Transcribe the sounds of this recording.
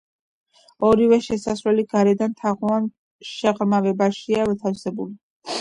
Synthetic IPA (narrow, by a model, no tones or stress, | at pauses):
ɔɾivɛʃɛsasɾwɛliɡaɾɛd̪ant̪ʰaʁwan | ʃɛʁɾmavɛbaʃiavɛt̪ʰafsɛbuli